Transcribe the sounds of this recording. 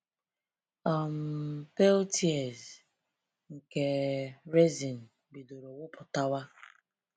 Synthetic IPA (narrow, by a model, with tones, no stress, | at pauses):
ɔ˨m̩˨pe˦ltʰi˦e˨z | ŋ̩˨ke˨ɾe˦zi˨n̩˨ | bi˨do˨ɾo˨wʊ˦pʊ˨ta˦wa˦